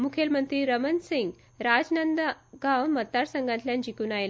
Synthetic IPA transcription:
mukʰelmənt̪ɾiːɾəmənsiŋɡ | ɾad͡ʑnənd̪ɡãwmət̪ːaɾsəŋɡãnt̪ljãnd͡ʑikuːnajel

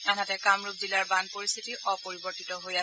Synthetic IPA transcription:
anatɛkamɹup̚zilaɹbanpoɹist̪ʰitiʔɔpoɹibɔɹtitɔɦoja

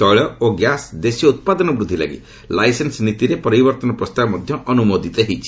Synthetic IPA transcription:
ɔɭɔoɡjasd̪esjɔut̪̚pad̪ɔnɔbɾud̪ʱːila̰ɡḭ | lajsensnit̪iɾepɔɾibɔɾt̪ɔnɔpɾɔst̪abɔmɔd̪ʱjɔɔnumod̪ʱit̪eɦit͡ʃʰi̥

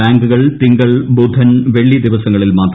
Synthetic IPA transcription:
aːŋɡuɣɐɭt̪iŋɡɐɭbud̪ʱːɐnʋe̞ɭːid̪iʋɐsɐŋːɐɭilmaːt̪r

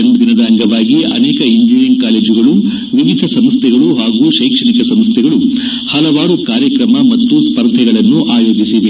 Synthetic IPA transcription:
enbud̪inɐd̪aːŋɡɐʋaːɡiɐ̰nɛːkɐiɲd͡ʒiɾenkaːle̞ːd͡ʒiɡɐɭu | ʋiʋid̪ʱɐsɐmst̪ʰɛɡɐɭuɦaːɡuːʃeːkʂɐɳikɐsɐmst̪ʰɛɡɐɭu | hɐlɐʋaːɾukaːɾjɐkɾɐmɐmɐt̪ːuspɐɾd̪ʱɛɡɐɭɐnːuʔaːjo̞ːd͡ʒisiʋe

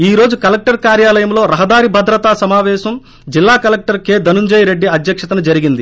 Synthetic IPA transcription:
iːɾo̞ːd͡ʒukɐlɐk̚ʈɐɾkaːɾjaːlɐjɐmlo̞ːɾɐɦɐd̪aːɾibʱɐd̪ɾɐt̪aːsɐmaːʋɛːʃɐm | d͡ʒilːaːkɐlek̚ʈɐɾkeːd̪ɐnuɲd͡ʒɐjɾe̞ɖːiɐd̪jɐkʂɐt̪ɐnɐd͡ʒɐɾiɡind̪i

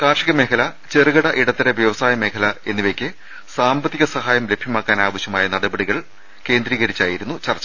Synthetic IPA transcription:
kaːrʂiɣɐme̞ːkʰɐlɐt͡ɕerɨɣɐɽɐʔiɽɐt̪ːiɾeʋjɐʋɐsaːjɐme̞ːkʰɐlɐe̞nːiʋekʲːɨ | saːmbɐt̪ːiɣɐsɐɦaːjɐmle̞bʱjɐmaːkːaːnaːʋɐɕjɐmaːjɐnɐɽɐbɐɽiɣɐɭ | ke̞ːnd̪ɾiːɣɐɾit͡ɕːaːjiɾunːut͡ɕɐrt͡ɕːɐ̥

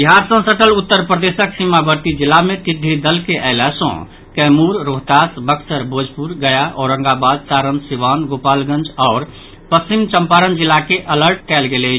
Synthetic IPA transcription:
biɦaɾsə̃səʈəlut̪ːəɾpɾəd̪esəksimabəɾt̪id͡ʒilːamet̪id̪ʱid̪əlkeʔaɪlasɔ̰̃ | kɛmuɾːoɦt̪asbəksəɾbʱod͡ʒʱpuɾɡəjaʔɔɾə̃ŋɡabad̪̚saɾənsiʋanɡopalɡə̃nd͡ʒɔʊɾ | pəst͡ʃimt͡ʃəmpaɾənd͡ʒilːakeʔələɾʈ̚kɛlɡelɛt͡ʃʰ

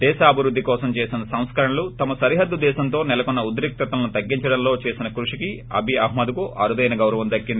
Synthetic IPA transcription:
d̪ɛːʃaːɐbʱiɾud̪ʱːikɔːsɐmt͡ʃeːsinɐsɐ̃w̃skɐɾɐɳɐlut̪ɐmɐsɐɾiɦɐd̪ːud̪ɛːʃɐnt̪o̞ːnɛlɐkunːɐud̪̬ɾik̚t̪ɐt̪ɐlɐnut̪ɐɡːiɲt͡ʃɐɽɐnlo̞ːt͡ʃeːsinɐkɾuʂiki | ɐ̰bʱiɐɦmɐd̪ukuʔɐɾud̪ɐjnɐɡɐwɾɐʋɐmd̪ɐkːind̪i

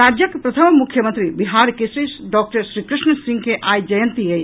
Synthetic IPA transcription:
ad͡ʒjəkpɾɐt̪ʰəmmukʰjəmənt̪ɾibiɦaːɾkesisɖɔːk̚ʈəɾʃɾikɾɪʃɳsĩŋɡkeʔaːjd͡ʒəjənt̪ie

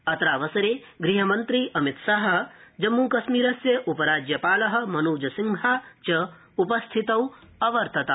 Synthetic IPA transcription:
ɐt̪ɾaːʋɐsɐɾeː | ɡɾiɦɐmɐnt̪ɾiʔɐmit̪saɦɐ̆d͡ʒɐmːuːkɐsmiːɾɐsjɐʔupɐɾaːd͡ʒjɐpaːlɐɦɐ̆mɐnuːd͡ʒɐsiŋɡʱaːt͡ʃɐ | upɐst̪ʰit̪ɐwɐʋɐɾt̪ʰɐt̪a

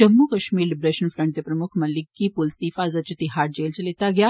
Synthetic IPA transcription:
d͡ʑɐmːukɐʃmiːɾlibɾeːʃənfɾəɳʈ̚t̪epɾɐmʊkʰmɐlikːipulsifazat͡ʃut̪iɦaːʈ̚d͡ʑeːlt͡ɕɐlet̪aɡja

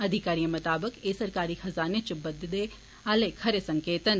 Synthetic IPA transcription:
ɐd̪ʱɪkaːɾijəmɐt̪aːbəkeːsɐɾkaːɾihɐzaːnet͡ʃbɐd̪d̪e | aːlekʰɐɾesɐ̃ŋkeːt̪ən

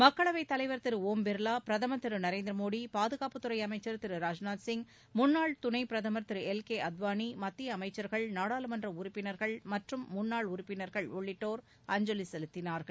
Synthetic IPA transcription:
mɐkːɐɭɐʋɐɪt̪ːɐlɐɪʋɐɾt̪ɪɾɯoːmbɪɾlaːpɪɾɐðɐmɐt̪ːɯɾɯnɐɾeːnd̪ɾɐmoːɽipaːðɯɣaːpɯt̪ːʊɾɐɪɐmɐɪt͡ʃːɐɾt̪ɪɾɯɾaːd͡ʒnaːʈ̪sɪŋɡ | mʊnːaːɭt̪ʊnɐɪpɪɾɐðɐmɐɾt̪ːɪɾɯɛlkeːɐd̪ʋaːnimɐt̪ːɪjɐːmɐɪt͡ʃːɐɾɣɐɭnaːɽaːlɯmɐndrɐʊɾʊɪpːɪnɐɾɣɐɭmɐʈrɯmːʊnːaːɭʊɾʊpːɪnɐɾɣɐɭɔɭːɪʈːoːɾ | ɐɲd͡ʒɔlisɛlɯt̪ːɪnaːɾɣɐɭ

